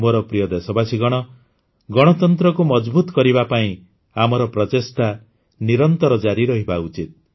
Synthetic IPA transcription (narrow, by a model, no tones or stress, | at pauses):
mɔɾɔpɾijɔd̪esɔbasiɡɔɽ̃ɔ | ɡɔɽ̃ɔt̪ɔnt̪ɾɔkumɔd͡ʒbut̪kɔɾibapaĩ | amɔɾɔpɾɔt̪est̪a | niɾɔnt̪ɔɾɔd͡ʒaɾiɾɔɦibaut͡ʃit̪̚